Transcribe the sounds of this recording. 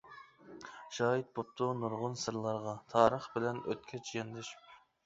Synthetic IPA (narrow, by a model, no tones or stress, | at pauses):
ʒ̥ɑːjit̪̚bop̚t̪ʰʊnuɾʁʊnsɨɾlˠɑɾʁɑt̪ʰɑːɾəχbɪlɛnø̰t̪̚kʲʰɛt͡ʃʰjɛnd̪ɪʃ